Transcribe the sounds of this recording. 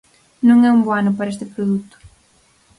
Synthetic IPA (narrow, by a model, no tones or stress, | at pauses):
nũŋɛumboanʊpaɾɐest̪ɪpɾoðut̪ʊ̥